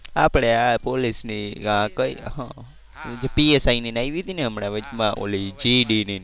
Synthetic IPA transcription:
apɽ̃eapolisniakəiɦã | d͡ʒepiesaininajʋiɦət̪inɛɦəmɳeʋəd͡ʒmãʔo̰lid͡ʒiɖini

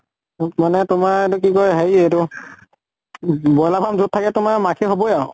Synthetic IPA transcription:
manɛtʊmaetuk̬ikɔjɦejetʊ | bɔjlapʰamzutʰːakɛtʊmamakʰiɦobɔjaʊ

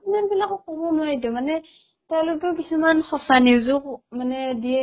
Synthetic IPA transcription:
manbilakɔkɔbɔnʊwaidɔmanɛ | tɛʊ̃lokɛʊk̬isumanxɔsaniwzʊkmanɛdiɛ

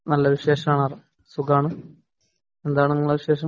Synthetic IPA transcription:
nɐlːɐɾuɕe̞ːʂɐmaːɳarɨ | suɡaːɳɨ | end̪aːɳɨiŋːɐɭːɐɾuɕe̞ːʂɐ

